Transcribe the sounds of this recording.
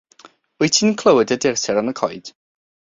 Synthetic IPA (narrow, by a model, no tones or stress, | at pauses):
ʊjtʰiːnnkʰl̥ˠəwədədɪrsʰɛɾanəkʰɔjd̥